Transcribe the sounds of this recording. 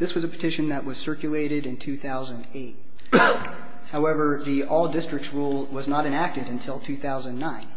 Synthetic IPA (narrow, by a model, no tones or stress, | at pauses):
ðɪswʌzəpʰə̥tʰɪʃɨ̃nðɨʔ̚wʌz̥sɜ˞kjɨleɪɾɪɾɨ̃ntʰʉθaʊzɨ̃ndeɪt̚ | haʊɛvə˞ðiʔɔlˠdɪstɹ̥ɨk̚tsɹulˠwʌznəɾɨ̃næk̚tɨɾɨ̃ntʰɪlˠtʰʉθaʊzə̃nnːãɪ̃n